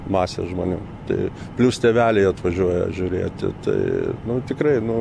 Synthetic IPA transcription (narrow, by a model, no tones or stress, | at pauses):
mɑːsʲḛʒmoːnʲṵː | t̪ɐɪ | pʲlʲust̪ʲɛʋʲæːlʲɛɪɐt̪ʋɐʒʲuɔjɛ̰ʒʲʊɾʲḛːt̪ʲɪ̰t̪ɐ̰ɪnʊt̪ʲɪkɾɐɪnʊ